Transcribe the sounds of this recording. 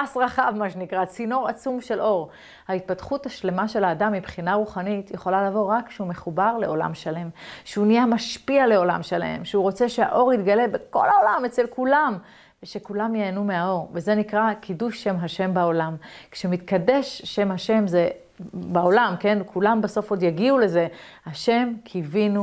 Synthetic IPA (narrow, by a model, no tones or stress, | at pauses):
asʁaχavmaʃenikʁat͡sino̞ʁat͡sumʃe̞lʔo̞ʁ | hait̪̚patχuthaʃle̞maʃe̞laːdamːibχinaʁuχanitjeχo̞lalavo̞ʁakʃeume̞χubaʁle̞o̞la̰mʃale̞mʃeuniamaʃpiale̞o̞la̰mʃalae̞̰mʃeuʁo̞t͡se̞ʃea̰ʔo̞ʁit̪ɡale̞beko̞̰laolamet͡selkulam | veʃe̞kulamjeːnume̞ao̞ʁveze̞nikʁakʰiduʃːe̞mɦaʃe̞mbao̞lamkʃemit̪kade̞ʃːe̞mhaʃe̞mze | baolamke̞nkʰulambaso̞fo̞djaɡiule̞ze̞haʃe̞mkʰivinu